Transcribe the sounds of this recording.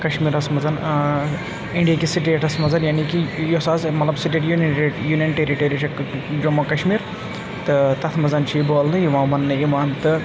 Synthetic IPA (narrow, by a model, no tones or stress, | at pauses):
kɐʃmiːɾɐsmɐzɐn | iɳɖijakisiʈeːʈɐsmɐnd͡zɐnjanikijɔsaːzmɐt̪lɐbsiʈeːʈjunenejuːnjɐnʈeɾiʈeːɾit͡ʃʰɐd͡ʒomɐkɐʃmiːɾ | t̪ɨt̪ɐt̪ʰmɐd͡zɐnt͡ʃʰiboːlnɨjiʋãːʋɐnːɨimaːnt̪ɨ